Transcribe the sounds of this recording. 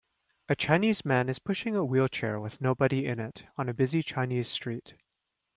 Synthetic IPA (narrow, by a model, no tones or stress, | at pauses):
ɨt͡ʃʰãɪ̃nizmæ̃nɨz̥pʰʊʃɪ̃ŋəwilˠt͡ʃʰɛ̰ɹwɪð̥noʊbɨɾiɪ̃nɪɾn̩ɨbɪzit͡ʃʰãɪ̃niz̥stɹ̥it